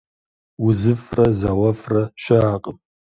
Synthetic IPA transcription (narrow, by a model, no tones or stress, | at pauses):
wʊzɨfrɐzawɐfrɐʃɐaːqʼəm